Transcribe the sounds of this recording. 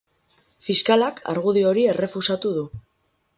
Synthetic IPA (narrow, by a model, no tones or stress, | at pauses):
fiskalakʰa̰ɾɣ̞uð̞io̞ɾie̞re̞fusat̪uðu